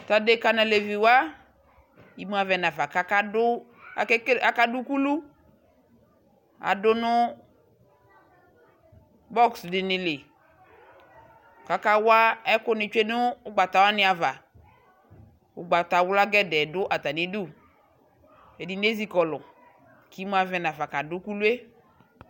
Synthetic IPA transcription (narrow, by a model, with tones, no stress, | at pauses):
t̪a˨de˦ka˨na˨le˨vi˨wa˦ | i˨mu˦a˨vɛ˨na˨va˨ka˨˦ka˦dʊ˦ | a˨˦a˦ka˦dʊ˦ku˦lu˦ | a̰˨dʊ˦nʊ˦ | bɔ˦ksdɪ˨nɪ̃˨lɪ˨ | ka˨ka˦wa˦ɛ˦kʊ˦nɪ˨t͡ʃe˦nʊ˦ʊ˦ɡ͡ba˨t̪a˨wa˦nɪ˦a˨va˨ | ʊ˨ɡ͡ba˨t̪a˨wʊ˦la˦ɡɛ˦dɛ˨dʊ˦ʔa˨t̪a˨nĩ˦du˦˨ | e˨di˨˦ne˦zi˨˦kɔ˨lʊ˨ | ki˨˦m˦a˨vɛ˨na˨va˨ka˨dʊ˦ku˦lu˦e˦